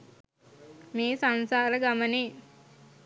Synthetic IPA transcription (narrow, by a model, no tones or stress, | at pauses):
meːsansaːɾəɡaməniː